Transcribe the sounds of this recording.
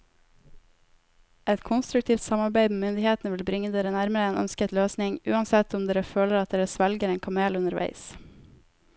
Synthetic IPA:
ɛt̪kʰʊnst̪ɾʉkt̪ʰiːft̪sɑmɑɾbæɪmeːmʏnd̪ɪheːt̪n̩əʋɪlbɾɪŋːəd̪eːɾənæɾməɾəeːnʔœ̰nskət̪løːsnɪŋʔʉ̰ːɑnsɛt̪ʊmd̪eːɾəføːləɾɑt̪̚d̪eːɾəsʋælɡəɾeːnkʰɑmeːlʉnəɾʋæ̰ɪs

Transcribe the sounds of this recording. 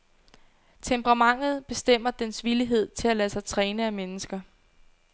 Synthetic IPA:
t͡sʰempəʁɑ̈mɑ̈ŋ̰ð̞̩ˠb̥e̝sd̥em̰ɐd̥ensʋiliɦe̝ð̞̰ˠt͡sʰe̝lælæsɑ̈ɪt͡sʰʁɛːnəæmenəsɡ̥ɐ

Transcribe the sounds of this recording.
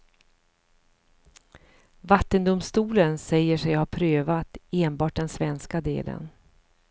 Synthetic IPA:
vat̪ːənd̪ʊmst̪uːlənsɛjːəʂɛjhaɾpʰɾøːvat̪eːnbɑːʈ̚d̪ɛnsvɛnskad̪ḛːlə̰n

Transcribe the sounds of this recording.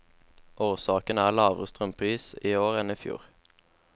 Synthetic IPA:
ʔoːʁsɑːkənæːʁlɑːʋʁəst̪ʁœmpʰʁiːsiːoːʁɛniːfjṵːʁ

